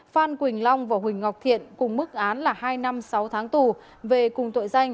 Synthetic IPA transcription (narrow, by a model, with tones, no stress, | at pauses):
faː˧nkwï˨˩ŋ̟la˧wŋ͡mvaː˨˩ɦwï˨˩ŋ̟ŋɔ˨˩wk͡p̚t̪ʰḭ˧˨ənkʊ˨˩ŋ͡mmɨ˦˥k̚ʔaː˨˦nlaː˨˩ɦaː˧jna˧msa˨˦wt̪ʰaː˨˦ŋt̪u˨˩ | ve˨˩kʊ˨˩ŋ͡mt̪o̰˧˨jza˧jŋ̟